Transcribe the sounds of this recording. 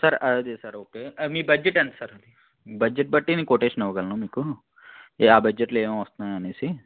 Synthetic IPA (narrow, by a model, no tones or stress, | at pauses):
sɐɾɐd̪esɐɾoːkeːmiːbɐd͡ʒeʈɐɳʈ̪i̥sɐɾɐd̪i | bɐd͡ʒːeʈ̚bɐʈːinikoːʈeːʃɐnɐʋɐɡɐlɐnuːmiːku | aːbɐd͡ʒeʈleːmɐ̃ʋɐst̪unaːjɐneːsi